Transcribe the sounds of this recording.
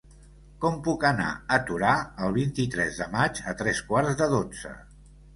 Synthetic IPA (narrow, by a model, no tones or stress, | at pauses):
kɔmpukəna̰ət̪uɾaəlˠβint̪it̪ɾɛzðəmad͡ʒət̪ɾɛskwaɾzðəðod͡zə̰